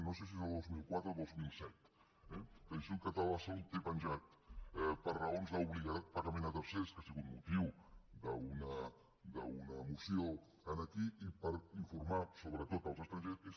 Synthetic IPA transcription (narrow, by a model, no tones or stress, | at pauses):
nosesiezəlˠd̪ozmilˠkwat̪ɾəlˠd̪ozmilˠsɛt̪ | ɛpənsuŋkət̪əlasolt̪epənʲʒat̪̚pəɾrəonzðauβliɣaðat̪̚paɣəmẽnət̪əɾseskasiɣut̪mut̪iwd̪əunə | d̪əunəmusio | ənəkiʔipəɾiɱfuɾmasoβɾət̪ot̪əlˠzəst̪ɾənʒees